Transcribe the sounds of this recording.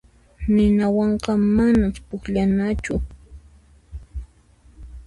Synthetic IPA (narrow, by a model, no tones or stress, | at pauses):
nɪnawɑɴqɑmanapʊkʎanat͡ʃʊ